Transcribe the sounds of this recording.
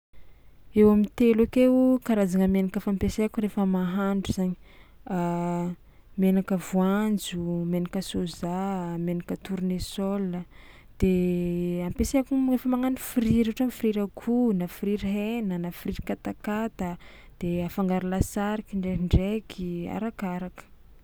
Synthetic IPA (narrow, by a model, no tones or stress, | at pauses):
ewamit̪elakewkaɾazaŋəmenakəfampeseakuɾefəmaɦaɳɖ͡ʐuz̥aɲi̥ | menakəvuand͡zumenakəsozamenakət̪uɾunesɔlə | d̪̥e | ampeseakurefəmaŋanifiɾiɾeoʈ͡ʂamifiɾiɾakʰunafiɾiɾiɦenənafiriɾikat̪akat̪ə | d̪̥eafaŋɡaɾulasaɾikiɳɖ͡ʐeɦiɳɖ͡ʐekʰia̰ɾakaɾakə̥